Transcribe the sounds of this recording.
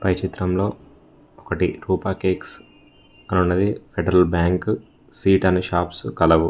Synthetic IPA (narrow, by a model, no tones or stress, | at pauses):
pɐjt͡ʃit̪ɾɐmlo̞ː | ɔkɐʈiɾuːpaːkeːks | ɐnunːɐd̪ipʰeɖɐɾɐlbjaːŋk | siːʈɐneʃaːpskɐlɐʋu